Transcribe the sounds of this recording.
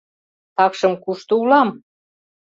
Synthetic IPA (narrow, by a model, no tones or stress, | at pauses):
t̪ɑkʃɤ̆mkuʃt̪oulɑm